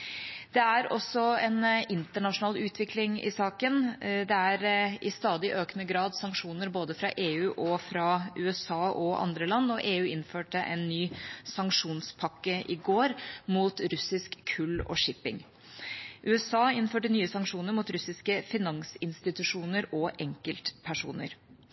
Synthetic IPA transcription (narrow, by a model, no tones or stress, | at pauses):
d̪̥ɛæɾɔ̰sɔɛnɪnt̪əɳɑʂʊnɑːlʉːt̪ʰʋɪklɪŋɪ̰sɑːkənd̪ɛæɾɪst̪ɑːd̪ɪʔøːknəɡɾɑːd̪sɑŋkʂuːnəɾboːd̪əfɾɑ̰ʔeːʉːʔɔfɾɑʉːɛsɑːʔɔʔɑ̰nd̪ɾəlɑnːɔʔeːʉːɪnføːʈəʔɛ̰nːyːsɑŋkʂuːnspʰɑkːəʔɪɡoːɾmuːt̪ɾʉsɪskkʰːʉlːɔ̰ʂɪpɪ̰ŋ | ʔʉːɛsɑːɪnføːʈənyːəsɑŋkʂuːnəɾmʊt̪ɾʉsɪskəfɪnɑŋsɪnst̪ɪt̪ʉʂuːnəɾɔʔɛŋkəlt̪pʰæʂṵːnə̰ɾ